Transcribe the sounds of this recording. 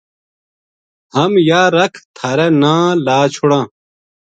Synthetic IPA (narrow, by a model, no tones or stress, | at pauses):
hɐmjaːɾɐkʰt̪ʰɐɾenãːlaːt͡ɕʰuɽãː